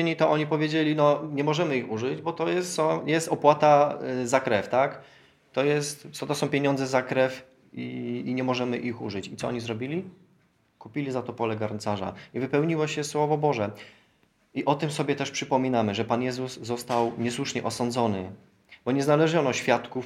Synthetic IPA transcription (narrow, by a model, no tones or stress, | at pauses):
eɲit̪ɔʔɔɲipɔvʲjed͡ʑelʲinɔɲɛmɔʐɛmɘixuʐɘd͡ʑbɔt̪ɔjɛst̪sɔ̃jɛst̪ɔpwat̪azakɾɛft̪ak | t̪ɔjɛst̪sɔt̪ɔsɔ̃w̃pʲjeɲɔ̃nd̪zɛzakɾɛf | iːɲɛmɔʐɛmɘʔixṵʐɘt͡ɕit̪ɔɔ̰ɲizɾɔbʲilʲi | kupʲilʲizat̪ɔpɔlɛɡaɾnt̪saʐa̰ivɘpɛwɲiwaɕɛswɔvɔbɔʐɛ | iʔɔt̪ɘmsɔbʲjɛt̪ɛʂpʂɘpɔmʲinamɘʐɛpanjɛzusːɔst̪awɲɛswuʂɲɛʔɔsɔnd̪zɔnɘ̰ | bɔɲɛznalɛʐɔnɔɕfʲjat̪kuf